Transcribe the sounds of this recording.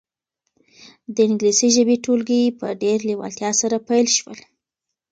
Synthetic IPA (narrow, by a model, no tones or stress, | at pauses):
d̪əɪŋɡlisiʒəbeʈolɡəjepəɖeɾliwɑ̰lt̪jɑsaɾapajlʃwəl